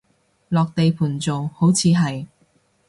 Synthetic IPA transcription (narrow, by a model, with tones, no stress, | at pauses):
lɔː˨k̚t̪e˨jpʰuː˨˩nt͡so˨who˨˥wt͡sʰiː˨˧ɦɐ˨j